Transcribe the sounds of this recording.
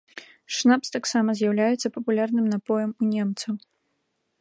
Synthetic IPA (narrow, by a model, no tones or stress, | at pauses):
ʂnapst̪aksamɐzʲjawlʲajɛt̪sːɐpɐpulʲarnɨmnapɔjɐmunʲɛmt̪sɐw